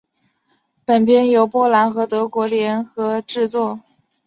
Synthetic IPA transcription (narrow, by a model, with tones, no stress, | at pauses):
pə˨˩npjɛ˥njo˧˥ʊpwɔ˥la˧˥nxɤ˧˥t̪ɤ˧˥kwɔ˧˥ljɛ˧˥nxɤ˧˥ʈ͡ʂɻ̩˥˧t͡swɔ˥˩